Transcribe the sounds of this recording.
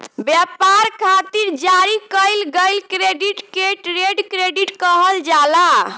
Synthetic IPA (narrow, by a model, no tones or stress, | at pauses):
bjɛpaɾkʰat̪iɾd͡ʒaɾikəɪlɡəjlkɾeɖiʈkeʈɾeɖkɾeɖiʈkəɦəld͡ʒala